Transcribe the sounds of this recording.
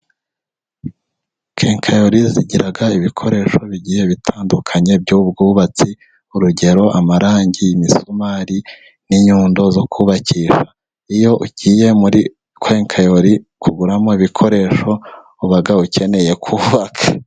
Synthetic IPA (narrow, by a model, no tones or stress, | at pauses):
keːŋkʰajo̞ɾiziɟiɾaɡaiβikʰo̞ɾe̞ːʃo̞βiɟiːje̞βitʰaːndukʰaɲe̞b̚ɟubɡuːβat͡si | uɾuɟe̞ɾo̞ʔamaɾaːɲɟiːmisomaːɾi | niɲuːndo̞zo̞kʰuːβaciʃḁ | ijo̞ʔuɟ̥iːje̞muɾi | kwe̞ːŋkʰajo̞ɾikʰuɡuɾamoiβikʰo̞ɾe̞ːʃo̞ | uβaɡauce̞ne̞je̞kʰuːβakʰḁ